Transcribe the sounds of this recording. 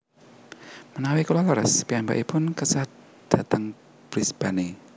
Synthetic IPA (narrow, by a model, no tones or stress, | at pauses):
mənawikulaləɾə̰spiamba̰ʔipʊnkəsa | d̪̥ä̤t̪əŋ | b̥ɾisb̥ane